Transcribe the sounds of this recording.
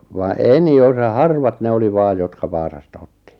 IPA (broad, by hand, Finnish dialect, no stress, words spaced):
ʋɑ eni osɑ hɑrʋɑt ne oli ʋɑːj jotkɑ ʋɑːsɑstɑ otːi